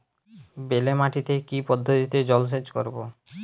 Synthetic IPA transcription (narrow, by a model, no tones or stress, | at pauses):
belemaʈit̪ekipɔd̪ʱːot̪it̪ed͡ʑɔls̬ed͡ʑkoɾbo̰